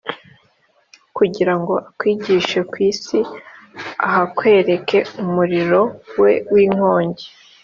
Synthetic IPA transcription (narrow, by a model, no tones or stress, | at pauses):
kuɟiɾaŋɡo̞ʔakwiːɟiːʃekwiːsi | a̰ɦakwe̞ːɾe̞kʰe̞umuɾiɾo̞we̞wiːŋ̥o̞ːɲɟe̥